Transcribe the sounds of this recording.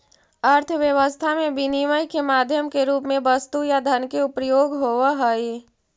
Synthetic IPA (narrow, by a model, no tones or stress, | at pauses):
əɾt̪ʰəʋjəʋəst̪ʰamẽbiniʋəjkemaːd̪ʱjəmkeɾuːpmẽbəst̪ujad̪ʱənkeʊpjoːɡɦoːʋaɦəi